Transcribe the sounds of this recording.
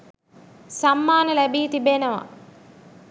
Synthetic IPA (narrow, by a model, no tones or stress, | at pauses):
sɐmːaːnɐlɛbiːt̪ibeːnɐʋɐ̰